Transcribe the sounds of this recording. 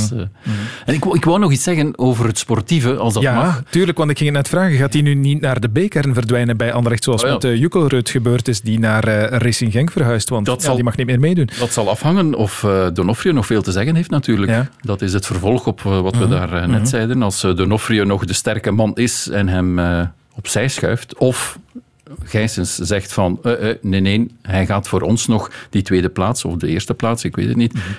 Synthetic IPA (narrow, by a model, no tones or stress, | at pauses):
ɛnɪkɪkʋawnɔɣitsɛɣənoːvərɦətspɔrtivəʔɑlˠsdɑjaːmɑtyːrləkʋɑntɪkxɪŋətnɛtfraːɣəɣaːtinynitnaːrdəbeːkɛɾənvərdʋɛjnənbɛjʔɑndərɛxtsoːɑlˠsmɛtəjykəlˠrøtxəbøːrtɪsdinaːrərɪsɪnɣɛŋkfərɦœɥstʋɑnttalˠdimɑxnit̚meːrmeːdundɑtsɑlˠɑfhɑŋənɔfədonɔfrionɔxfeːlˠtəzɛɣənɦeːftnatyːrləjkadɑtɪsətfərvɔlˠxɔpʰʋɑtʋədaːrənɛtsɛjdənɑlˠsdonɔfrionɔɣdəstɛrkəmɑnɪsɛnɦɛmə | ɔpsɛjsxœɥftɔf | ɣ̥ɛjsənszɛxtfɑnəʔneneːnɦɛjɣaːtfoːɾɔnsnɔxd̥itʋeːdəplaːtsɔ̰fdəɪːrstəplaːtsɪkʋḛːtətnit